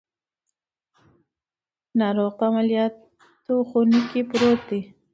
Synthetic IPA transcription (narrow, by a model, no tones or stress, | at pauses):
nɑɾoɣpaamaljɑt̪ | oxunikipɾot̪̚d̪i